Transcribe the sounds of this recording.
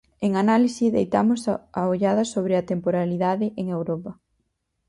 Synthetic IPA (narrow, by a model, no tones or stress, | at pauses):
eŋanalisiðejt̪amʊsaoʎaðɐsoβ̞ɾɪɐt̪empoɾaliðaðɪʔeŋewɾɔpɐ